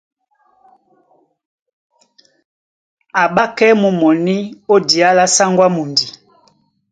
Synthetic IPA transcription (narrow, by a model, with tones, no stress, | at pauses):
a˨ɓa˦kɛ˦mu˨mɔ˨ni˦o˦di˨a˦la˦sa˦ŋɡwa˦mu˨ndi˨